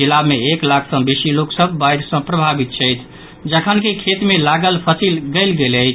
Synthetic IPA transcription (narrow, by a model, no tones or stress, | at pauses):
ilameːklakʰsə̃besiloksəbʱːajɾsə̃pɾəbʱabit̪̚t͡ʃʰɛjt̪ʰ | d͡ʒəkʰənkekʰet̪melaɡəlpʰəsilɡəlɡeləjt͡ʃʰ